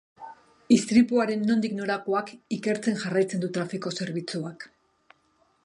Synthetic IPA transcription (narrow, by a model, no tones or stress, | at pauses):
ist̪ɾipuaɾe̞nːo̞nd̪ikno̞ɾakoakike̞ɾt͡se̞ŋʝarajt͡se̞nd̪ut̪ɾafiko̞se̞ɾβit͡suak